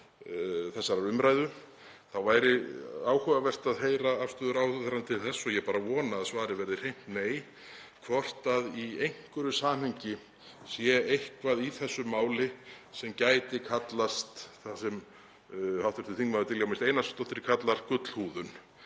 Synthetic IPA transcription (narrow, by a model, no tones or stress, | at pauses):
θɛsːaɾaɾʏmɾajðʏ | θawvaːjɾɪaːwhœːvavɛr̥t̪aðɦeːjɾaafst̪œːðʏɾawθɔθɛɾant̪ʰɪlθɛsːɔjɛpaːɾavɔːnaːðsvaːɾɪvɛɾðɪr̥ejm̥t̪neːj | kʰvɔr̥t̪aðiejŋ̥kʏɾʏsaːnheɲcɪ | sjɛejhkvaðiθɛsːʏmːaːwlɪsɛmcaːjt̪ɪkʰat̪last̪θasɛm | hawht̪vɛɾt̪ʏθiŋkmaðʏt̪ʰɪljawmɪst̪eːjnast̪ɔht̪ɪɾɪkʰat̪laɾ̥kʏt̪l̥huːðʏn